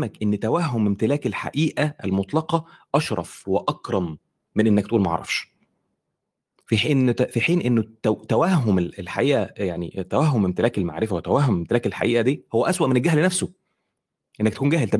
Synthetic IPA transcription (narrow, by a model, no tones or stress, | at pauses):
mækʔenːt̪æwæhːomemt̪elæːkelħa̰ʔiːʔæʔælmot̪ˤlɑqɑʔɑʃɾˤɑ̰fweʔɑkɾˤɑmː | enʔenːæk̚t̪ʔuːlmæʔɑ̰ʕɾˤɑ̰fʃ | fiħinːfiħiːnʔenːot̪ːæwæhɦomelelħaʔiːʔæjaʕnḭt̪ːæwæɦːomemt̪elæːkelma̰ʕɾefæwet̪ːæwæhɦomemt̪elæːkelħa̰ʔiːʔæd̪iːhowːæʔæswæʔmenælɡæɦhlnæfso | ʔenːæk̚t̪kuːnɡæːhelt̪æ